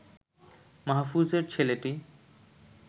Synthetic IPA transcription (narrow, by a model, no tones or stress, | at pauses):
maɦfuzeɾt͡ɕʰeleʈi